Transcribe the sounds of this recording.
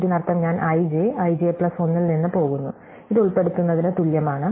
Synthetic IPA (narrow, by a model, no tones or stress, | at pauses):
ɾunɐrɐt̪ːɐmɲaːnʔɐjd͡ʑeɐjd͡ʑepɭɐso̞nːilninːɨpo̞ːɣunːu | iðuɭpe̞ɽut̪ːunːɐðinet̪uljɐmaːɳɨ